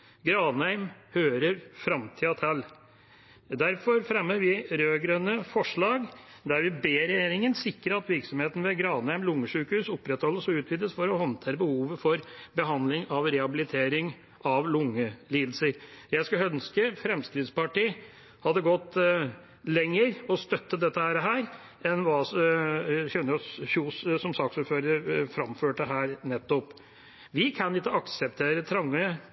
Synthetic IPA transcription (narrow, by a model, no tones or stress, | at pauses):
ɡɾɑːnhæɪmhøːɾəɾfɾɑmt̪ʰɪɑt̪ʰɛl | d̪æɾfɔɾfɾɛmːəɾʋɪɾøːɡɾœnəfɔʂɭɑːɡ | d̪æɾʋɪbeːɾɛjeːɾɪŋənsɪkɾəɾɑt̪ʋɪɾksɔmheːt̪ən̩ʋɛɡɾɑːnhæɪmlʊŋːəʂʉːkhʉːsʊpːɾɛt̪hɔlːəsɔʉːt̪ʰʋiːd̪əsfɔɾɔhɔnt̪ʰeːɾəbəhuːʋəfɔɾbəɦɑnd̪lɪŋɑʋɾɛhɑbɪlɪt̪ʰeːɾɪŋ | ʔɑʋlʊŋːəliːd̪əl̩səɾjæskɑœnskəfɾɛmskɾɪd̪spɑʈiː | hɑd̪ːəɡɔt̪ː | lɛŋːəɾɔst̪œt̪ːəd̪ɛt̪ːəhæːɾəɦæːɾ | ɛnʋɑːs | çɛnːəɾɔsçuːssɔmsɑksuːɾføːɾəɾəɾfɾɑmføːʈəɦæːɾnɛt̪ːɔp | ʋɪkʰɑnɪt̪ːəɑksɛp̚t̪ʰeːɾət̪ʰɾɑŋːə